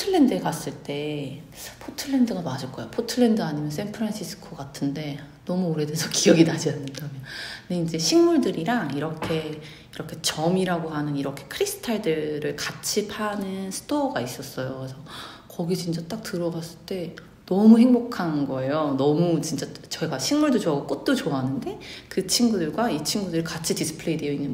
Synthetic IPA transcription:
tʰɯɭːe̞ndɯekas͈ɯɭt͈e̞ | pʰotʰɯɭːe̞ndɯɡamad͡ʑʌɭk͈ʌjopʰotʰɯɭːe̞ndɯaɲimjʌns̬ʰenpʰɯɾanɕʰis͈ʰɯ̥kʰoɡatʰɯnde̞nʌmuoɾe̞desʰʌkiɡjʌɡinad͡ʑianːɯndamjʌnndeind͡ʑe̞ɕʰinmuɭdɯɾiɾaŋiɾʌkʰe̞ | iɾʌkʰe̞t͡ɕʌmiɾaɡoɦanɯniɾʌkʰe̞̥kʰɯɾisʰɯ̥tʰaɭdɯɾɯɭkat͡ɕʰipʰanɯnsʰɯ̥d̥oɡais͈ʌs͈ʌjokesʰʌ | kʌɡit͡ɕint͡ɕ͈at͈ak̚tɯɾʌɡas͈ɯɭt͈e̞ | nʌmuɦe̞ŋbokʰanɡʌe̞jonʌmut͡ɕint͡ɕ͈at͡ɕʌiɡaɕʰiŋmuɭdot͡ɕoaɡok͈ot̚t͈ot͡ɕoaɦnɯnde̞kɯt͡ɕʰinɡudɯɭɡwait͡ɕʰiŋɡudɯɾikat͡ɕʰidis͈ʰɯ̥pʰɯɭe̞idejʌinːɯn

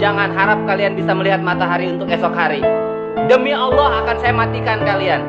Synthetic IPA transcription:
aŋanɦaɾap̚kalianbisaməliɦat̪̚mat̪aɦaɾiunt̪ʊkɛsɔkɦaɾi | dəmiɑlːɔhakansajamat̪ikankalian

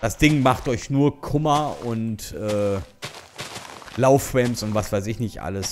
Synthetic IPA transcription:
d̥asd̥ɪŋmaχtʔɔʏçnuːɐkʰʊmɐʊntʔɛː | laʊfʁ̥ɛmsʊntv̥asv̥aɪs̬ɪçnɪçtʔa̰ləs

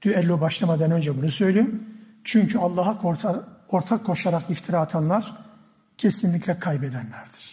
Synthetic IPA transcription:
d̪̥yɛlʲːobaʃlˠamad̪anø̞nd͡ʒɛbunusø̞jlʲejim | t͡ʃʰyɲcʰyalˠːaːɦakʰoɾtʰoɾt̪ʰakʰːo̞ʃaɾakift̪ʰiɾaːt̪ʰanlˠaɾ̥ | cʰe̞sinlʲiclʲɛkʰajbed̪ænlʲæɾd̪̥i̥ɾ̥

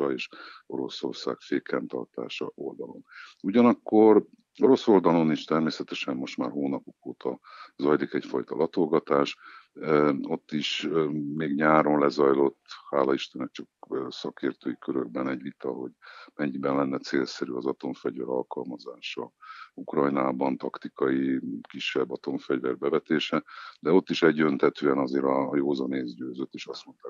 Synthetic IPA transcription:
eːʃo̞ɾo̞so̞̰rsa̰ːɡfeːkɛnt̪ɒ̰rt̪a̰ːʃɒ̰ʔold̪ɒlo̞̰nuɟɒnɒkːo̞r | o̞ɾo̞so̞ld̪ɒlo̞niʃt̪ɛrmeːsɛt̪ɛʃɛmːo̞ʃt̪maːrɦoːnɒpokoːt̪ɒzɒjlikɛcfɒjt̪ɒlɒt̪o̞lɡɒt̪aːʃ | o̞t̪ːiʃmeːɡɲaːɾo̞nlɛzɒjlo̞t̪ːhaːlɒiʃt̪ɛnɛk̚t͡ʃɒkːsɒkeːrt̪øːjikøɾøɡ̚bɛnɛɟvit̪ɒɦo̞ɟmɛɲːibɛnlɛnːɛt̪seːlsɛɾyɒzɒt̪o̞ɱfɛɟvɛ̰ɾɒlkɒlmɒzaːʃɒukrɒjnaːbɒnt̪ɒkt̪ikɒjikiʃːɛbːɒt̪o̞ɱfɛɟvɛ̰rbɛvɛt̪eːʃɛd̪ɛo̞t̪ːiʃɛɟdønt̪hɛt̪øːɛnɒzeːɾɒːjoːzɒneːzɟøːzøt̪ːeːʃɒst̪mo̞nt̪aː

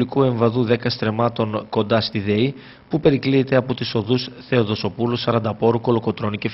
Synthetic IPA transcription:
likue̞ɱvɐðuðe̞kɐst̪ɾe̞mɐt̪o̞ŋko̞nd̪ɐst̪iðe̞i | pupe̞ɾikliet̪e̞ɐpo̞t̪iso̞ðusθe̞o̞ðo̞so̞pulusɐɾɐnd̪ɐpo̞ɾuko̞loko̞t̪ɾo̞nice̞f

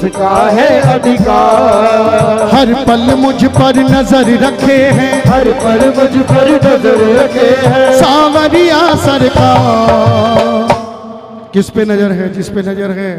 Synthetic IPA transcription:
ɦɛika | hɐɾpɐlmʊd͡ʒʱɪpɐɾnɐzəɾɾɐkʰeɦɛ̃ːɦɐɾpɐlʊd͡ʒʱpɐɾnəɾɾɐkʰeɦɛsaːʋɐɾijaːsɐɾɪkaː | kɪspenɐd͡ʒəɾɦɛd͡ʒɪspenɐd͡ʒəɾɦɛː

